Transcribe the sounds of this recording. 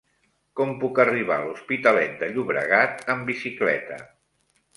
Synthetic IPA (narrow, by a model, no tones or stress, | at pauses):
kɔmpukəriβa̰luspit̪əlɛt̪̚d̪əʎuβɾə̰ɣat̪əmbisiklɛ̰t̪ə̰